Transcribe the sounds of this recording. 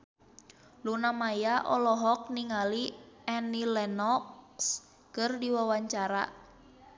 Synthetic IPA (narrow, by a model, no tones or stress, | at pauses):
lunamajaʔɔ̰lɔɦɔk̚niŋaliɛnilɛnɔks | kɨrdiwawaɲt͡ʃaɾa̰